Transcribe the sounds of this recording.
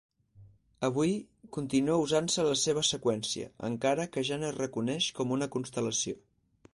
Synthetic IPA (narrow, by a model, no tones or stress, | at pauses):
əβ̞uj | kunt̪inuouzansələseβ̞əsəkwɛnsiə̰ə̰ŋkaɾəkəʒanərəkunɛʃkɔmunəkunst̪ələsio